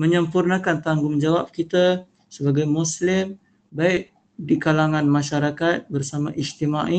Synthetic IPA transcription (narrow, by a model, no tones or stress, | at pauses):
məɲəmpurnakant̪aŋɡuŋd͡ʒawap̚kit̪a | səbaɡajmuslɪm | baɪʔ̚ | dikalaŋanmaʃaɾakat̪̚bərsamaʔist̪imaʔi